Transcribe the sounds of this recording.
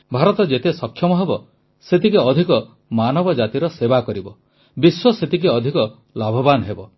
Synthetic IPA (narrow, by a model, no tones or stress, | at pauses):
bʱaɾɔt̪ɔd͡ʒet̪esɔkʰːjɔmɔɦebɔ | set̪ikeɔd̪ʱikɔ | manɔbɔd͡ʒat̪iɾɔsebakɔɾibɔ | biswɔset̪ikeɔd̪ʱikɔ | labʱɔbanɔɦebɔ